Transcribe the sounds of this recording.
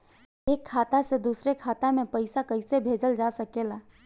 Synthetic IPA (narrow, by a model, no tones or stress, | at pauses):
eːkʰːaːt̪ased̪uːsɾekʰaːt̪amẽpɐɪsakɐɪsebʱeːd͡ʒəld͡ʒaːsɐkelaː